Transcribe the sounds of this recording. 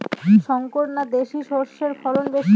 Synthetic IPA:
ʃɔŋkoɾnad̪eʃiʃoɾʃeɾfɔɾonbe

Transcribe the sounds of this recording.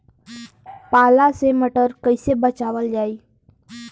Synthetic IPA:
palaseməʈəɾkəjsebət͡ɕaʋəld͡ʒai

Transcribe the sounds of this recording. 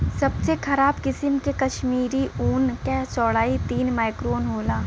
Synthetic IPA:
sɐbsexʰɐɾaːbkɪsɪmkekɐʃmiːɾiʔuːnkɛːsɔːɽaːit̪iːnmaːɪkɾoːnɦoːlaː

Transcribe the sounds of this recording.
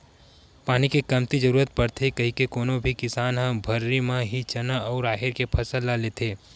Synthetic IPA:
paːnikekɐmt̪id͡ʒəɾuːɾət̪̚pɐɾt̪ʰekɐɦĩkekoːnõbʱikɪsaːnɦə̃bʱɐɾːimãɦit͡ʃɐnaɔːɾaːɦɪɾkepʰɐsəlːaleːt̪ʰeː

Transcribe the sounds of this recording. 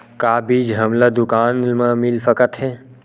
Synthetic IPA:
kaːbiːd͡ʒɦəmlad̪ʊkaːnməmilfəkət̪ɦe

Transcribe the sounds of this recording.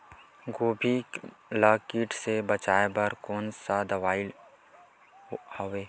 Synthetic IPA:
ɡoːbʱiklaːkiːʈsebət͡ʃaːebəɾkoːnsad̪əʋaːɪl | oʋeː

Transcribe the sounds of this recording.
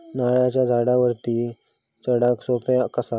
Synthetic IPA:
naɭjat͡ɕjad͡zʱaɽaʋəɾt̪iː | t͡ɕəɽaksopjakəsa

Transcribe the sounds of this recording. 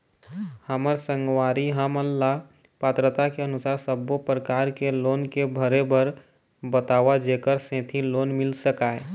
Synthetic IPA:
həməɾsə̃ŋɡwaːɾiɦəməlːa | pət̪ɾət̪akeənʊsaːɾsəbopɾəkaːɾkeloːnkebʱəɾebʱəɾ | bət̪aːʋad͡ʒekəɾsẽːt̪ʰiloːnmɪlsəkae

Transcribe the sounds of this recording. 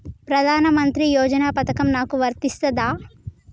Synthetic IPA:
pɾɐd̪ʱaːnɐmɐnt̪ɾijoːd͡ʒɐnaːpɐt̪ɐkɐmnaːkuʋɐɾt̪ist̪ɐd̪aː

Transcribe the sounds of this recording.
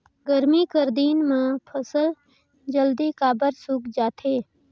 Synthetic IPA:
ɡəɾmikəɾd̪iːnmẽpʰəsəl | d͡ʒəld̪ikaːbəɾsukd͡ʒaːt̪ʰeː

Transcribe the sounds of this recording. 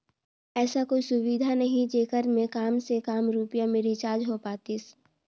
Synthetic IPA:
ɛːsakoːisʊʋid̪ʱanəɦĩd͡ʒeːkəɾmẽkaːmsekaːmɾuːpjameːɾit͡ʃaːd͡ʒɦopaːt̪is

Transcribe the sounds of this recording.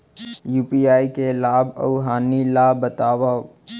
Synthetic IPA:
juːpiaːikelaːbə̰ʊɦaːnilaːbːət̪aːʋa

